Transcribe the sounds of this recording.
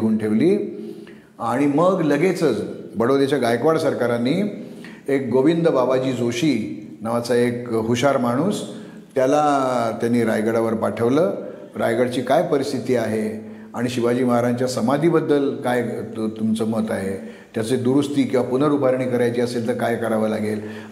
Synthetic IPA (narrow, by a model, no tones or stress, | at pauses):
ɡuːnʈʰeʋliː | aɽ̃iməɡləɡet͡sət͡sbəɽoʋd̪jat͡ɕaɡajkʋaɽsəɾkaɾanːiː | ek̚ɡoʋind̪əbabad͡ʑiːd͡zoɕiː | nəʋat͡saekɦuɕaɾmaɽ̃uːs | t̪jalat̪janːiːɾajɡəɽaʋəɾpaʈʰəʋləː | ɾajɡəɽt͡ɕiːkajpəɾist̪ʰit̪iːaɦe | aɽ̃iɕibad͡ʑiːməɦaɾaɲt͡ɕjasəmad̪ʱiːbəd̪ːəlkajt̪umt͡səːmət̪aɦe | t̪jat͡sed̪uɾust̪iːkĩw̃ʋapunəɾubʱaɾɳiːkəɾajt͡ɕiːəselt̪əɾkajkəɾaʋəlaɡel